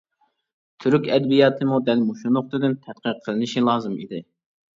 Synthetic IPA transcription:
t̪ʰyɾykʲɛd̪bijɑːt̪ʰɨmud̪ɛlmoʃunʊχt̪ʰɨd̪ɪnt̪ʰɛt̪̚qʰəɾqʰːəlˠɨnɨʃilˠɑːzɨmḭd̪ɪ

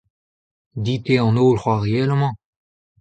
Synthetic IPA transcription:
d̪it̪eɑ̃noːlχwaʁeɛlmɑ̃

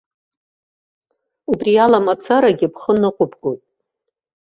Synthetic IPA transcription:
ubrialamat͡sʰaɾaɡʲɪpʰχənɨqʷʼʊpɡʼojtʼ

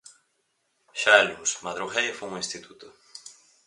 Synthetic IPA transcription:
ʃaɛluŋsmaðɾuɣejfouŋĩst̪it̪ut̪ʊ

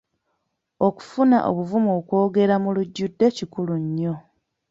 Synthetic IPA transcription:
o̞ku̥funa̰ʔo̰βuvumokwo̞ːɡe̞ɾamuluɟːudːe̞cikuluɲːo

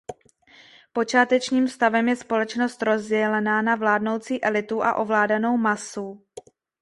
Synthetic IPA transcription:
po̞t͡ʃaːt̪ɛt͡ʃɲiːmfst̪avɛmjɛspo̞lɛt͡ʃno̞st̪ɾo̞zɟɛlɛnanavlaːdno̞wt͡siːʔɛlɪt̪uʔa̰ʔo̞vlaːdanowmasu

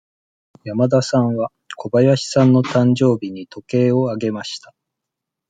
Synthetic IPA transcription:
jamad̪asãɰ̃βa | kʰo̞bajaɕi̥sãnːo̞t̪ãɲd͡ʑo̞ːbʲiɲ̟it̪o̞ke̞ːo̞aɡe̞maɕi̥t̪a

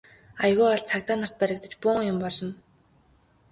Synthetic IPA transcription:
ajɣuːɔɮt͡sʰakt̪aːnar̥t̪̚pæɾʲɪ̆kt̪ə̆t͡ɕpʊːŋjʊmpɔɮɞ̆n

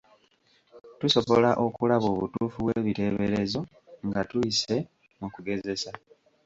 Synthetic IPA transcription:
tuso̞βo̞laʔo̞kulaβo̞ːβṵtuːfuβweːβite̞βe̞ɾezo̞ | ŋɡatujise̞ | mukuɡe̞ze̞sa

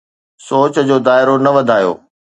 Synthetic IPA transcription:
soːt͡ɕd͡ʑoːd̪aːɪɾonɐʋɐd̪ʱaːjo̰ː

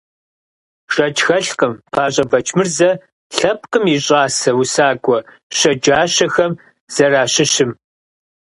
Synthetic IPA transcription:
ʂɐt͡ʃʰxɐɬqəmpʰaːɕʼɐvɐt͡ʃʰmɨrzɐ | ɬɐp̚ʰqʼəmiɕʼɑːsɐwusaːɡʷʼɔ | ɕɐd͡ʒaːɕɐxɐm | z̥ɐraːɕɪɕɪm

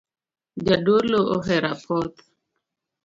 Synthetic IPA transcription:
d͡ʒadoloʔɔɦɛɾapʰɔt̪

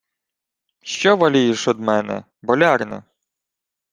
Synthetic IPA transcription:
ʃt͡ʃɔʋɐlʲijɛʃɔd̪mɛnɛ̰ | bɔlʲɑrnɛ̰

